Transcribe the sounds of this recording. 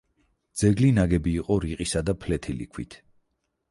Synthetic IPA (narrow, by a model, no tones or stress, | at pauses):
d̪z̥ɛɡlinaɡɛbiːqʼɔɾiqʼisad̪apʰlɛt̪ʰilḭkʰwḭt̪ʰ